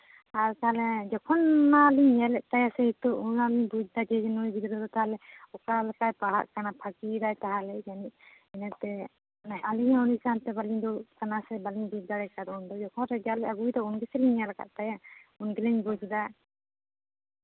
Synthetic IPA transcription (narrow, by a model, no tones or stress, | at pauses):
haɾk̪aɦalɛd͡ʒɔkʰɔnːaliɲjalɛʔt̪ajasɛit̪uunaliɲbud͡ʒd̪ad͡ʒɛd͡ʒɛnɔjbid̪ɾɔd̪ɔt̪aɦalɛɔkalakajpaɽa̰ʔkanapʰakid̪ajt̪aɦalɛd͡ʒaniʔ̚ | ɛnɛɾt̪ɛ | naaliɛ̃ɔnisant̪ɛbaliɲd̪ɔkanasɛbaliɲbud͡ʒd̪aɾɛkad̪und̪ɔd͡ʒɔkʰɔnɾɛd͡ʒalɛʔaɡujd̪ɔunɡɛsɛliɲjalaka̰ʔ̪̚t̪ajaunɡɛlɛɲbud͡ʒd̪a